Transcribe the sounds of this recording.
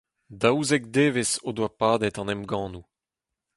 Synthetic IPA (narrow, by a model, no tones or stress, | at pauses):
dawzɛk̚d̪eːvesod̪wapaːd̪ɛt̪ɑ̃nɛmɡɑ̃ːnu